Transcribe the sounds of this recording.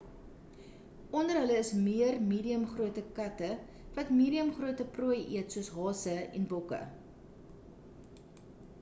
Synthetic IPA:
ʔɔndərɦələːsmiərmiːdiəmχruətəkɐtə | vɐtmiːɾiəmχruətəpruəjʔiətsuəsɦɑːsəɛ̰nbɔkə̰

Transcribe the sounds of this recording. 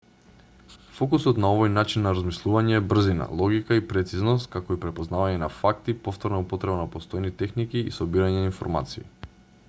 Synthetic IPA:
fɔkusɔt̪naovɔjnat͡ʃinːaɾazmislˠuvaɲɛːbr̩zina̰lˠɔɡikaipɾɛt̪siznɔst̪̚kakoipɾɛpoznavaɲɛnafak̚t̪ipoft̪ɔɾnaupɔt̪ɾɛbanapost̪ɔjnit̪ɛxnikḭːsɔbiɾaɲɛnainfɔ̰ɾma̰t̪siː

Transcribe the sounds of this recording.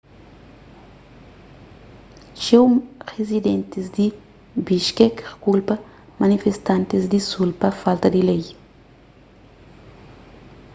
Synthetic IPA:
ʃewʁezid̪ẽnt̪izd̪i | biʃkɛkrkulpɐ | mɐnifest̪ãnt̪izd̪isulpɐfalt̪ɐd̪ilej

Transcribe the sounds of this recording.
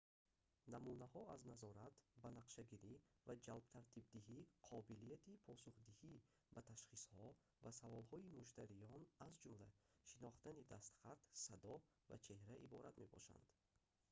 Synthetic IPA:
namunahɔaznazɔɾat̪banaqʃaɡiɾivad͡ʒalbt̪ʰaɾt̪ʰib̚d̪ihiqʰɔbilijat̪ʰipʰɔsuχd̪ihi | bat̪ʰaʃχishɔ | vasavɔlhɔimuʃt̪ʰaɾijɔnazd͡ʒumlaʃinɔχt̪anid̪ast̪χat̪sad̪ɔ | va̰t͡ʃʰe̞hɾaʔibɔ̰ɾat̪me̞bɔ̰ʃa̰nd̪̥

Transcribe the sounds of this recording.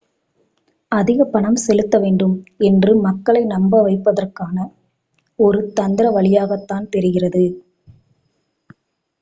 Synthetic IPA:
ɐðɪɣɐpɐɳɐmsɛlɯt̪ːɐʋeːɳɖɯmɛndrɯmɐkːɐɭɐɪnɐmbɐʋɐɪpːɐðɐrkaːnɐ | ɔɾɯt̪ɐnd̪ɪɾɐʋɐɭɪjaːɣɐt̪ːaːnt̪ɛɾɯɣɪrɐðɯ

